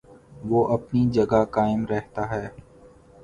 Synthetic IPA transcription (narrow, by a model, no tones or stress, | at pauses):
ʋoːʔɐpnid͡ʒəɡakaːɪmɾɛɦt̪aːɦɛː